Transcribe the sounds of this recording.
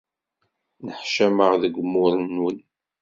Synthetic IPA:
nəħʃæməʁðəɡʷmʊɾənːwən

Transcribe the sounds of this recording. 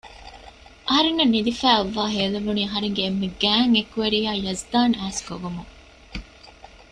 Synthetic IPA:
ʔɐɦɐɾenːɐnːid̪ifæːɐʋːaːɦeːlɐʋuniːɐɦɐɾeŋɡeːmːeɡæːŋekuʋeɾiːaːjɐzd̪aːnæːskoɡumuŋ

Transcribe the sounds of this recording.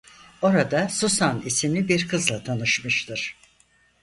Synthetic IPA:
o̞ɾad̪asusanisimlʲibiɾkʰɯzlˠat̪ʰanɯʃmɯʃt̪ʰɯɾ̥

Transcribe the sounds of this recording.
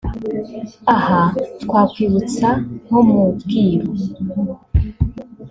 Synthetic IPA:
ahatkwaːkwiβut͡saŋ̥omubɡiːɾo

